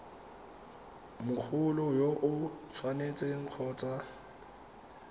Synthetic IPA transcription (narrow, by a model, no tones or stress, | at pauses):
mʊk͡xʰʊlʊjoʔʊt͡sʰwanet͡sʼeŋ̩q͡χʰɔːt͡sʼa